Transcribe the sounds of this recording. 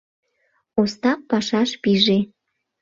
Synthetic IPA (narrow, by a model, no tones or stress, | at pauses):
ost̪ɑppɑʃɑʃpiʒe